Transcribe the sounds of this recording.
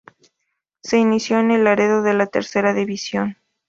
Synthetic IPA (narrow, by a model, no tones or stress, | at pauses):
se̞inisjo̞ene̞laɾeðo̞ðe̞lat̪ḛɾse̞ɾaðiβisjo̞n